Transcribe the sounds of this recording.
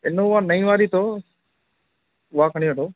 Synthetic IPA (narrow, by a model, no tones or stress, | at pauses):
ɪnõːʊãːnəĩːʋaːɾiːt̪ʰoː | ʊʋaːkʰəɽ̃iːʋəʈoː